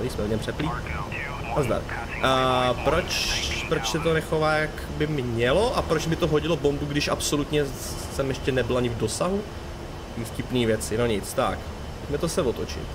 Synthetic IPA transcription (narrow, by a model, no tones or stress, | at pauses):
ɾismɛlɲɛmpr̝̥ɛpliː | azd̪a̰ɾkː | pɾot͡ʃpɾot͡ʃsɛt̪onɛxovaːjak | bɪmɲɛloʔapɾot͡ʃmɪt̪oɦoɟɪlobo̞mbuɡdɪʃʔapso̞lut̪ɲɛ | sɛmjɛʃcɛnɛbɪlaɲɪvdo̞saɦu | fcɪpniːvjɛt͡sɪnoɲɪt͡st̪a̰k | pocmɛt̪osɛvot̪o̞t͡ʃɪ̰t̪